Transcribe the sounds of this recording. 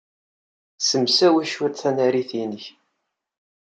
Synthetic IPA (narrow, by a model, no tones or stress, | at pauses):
səmsæwæʃwæt̪θænæɾiθinəç